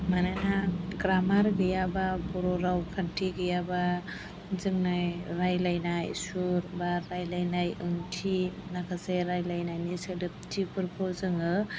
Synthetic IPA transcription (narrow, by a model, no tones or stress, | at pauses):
manajnaɡɾamaɾɡɯjababɔɾɔɾawkʰantʰiɡɯjaba | zɯŋnajɾajlajnajsuɾbaɾːajlajnajɯŋtʰinakʰaseɾajlajnajnisɯdɯp̚tʰipʰɯɾpʰɯzɯŋɯ